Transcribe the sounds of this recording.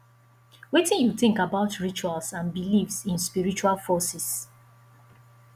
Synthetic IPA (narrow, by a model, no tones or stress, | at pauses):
wetĩnjuθɪ̃ŋkabaʊtɹit͡ʃualsãnbilifsĩnspiɹit͡ʃualfɔsis